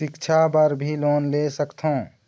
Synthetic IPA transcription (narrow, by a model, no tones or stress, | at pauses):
ɪkt͡ʃʰabəɾbʱiloːnlesəkt̪ʰõ